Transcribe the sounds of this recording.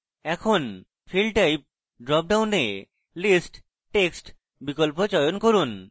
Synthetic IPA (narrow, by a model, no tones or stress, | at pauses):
ɛkʰon | fʰilɖʈajp̚ | ɖɾɔp̚ɖawne | lisʈ | ʈeksʈ | bikolpot͡ɕɔjonkoɾun